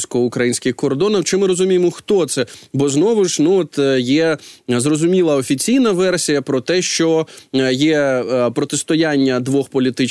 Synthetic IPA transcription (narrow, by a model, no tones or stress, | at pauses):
sʲkɔɔʊkɾɐjinʲsʲkɪxkɔrd̪ɔnɐwt͡ʃɪmɪɾɔzʊmʲijemɔxt̪ɔt̪sɛbɔznɔʋʊʃnuɔt̪jɛzrɔzʊmʲilˠɐɔfʲit͡sʲijn̪ɐʋɛrsʲijɐpɾɔt̪ɛʃt͡ʃɔjɛpɾɔt̪ɪst̪ɔjanʲːɐd̪ʋɔxpɔlʲit̪ɪt͡ʃ